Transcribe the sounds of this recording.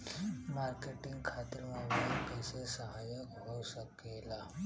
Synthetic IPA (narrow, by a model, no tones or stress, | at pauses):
maɾkeʈiŋɡkʰat̪əɾmɔbajlkəsesəɦajəkɦosəkela